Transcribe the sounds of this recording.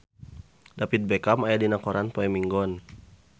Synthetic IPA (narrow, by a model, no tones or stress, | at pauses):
dapit̪̚bɛkamajadinakɔɾanpɔɛmiŋɡɔn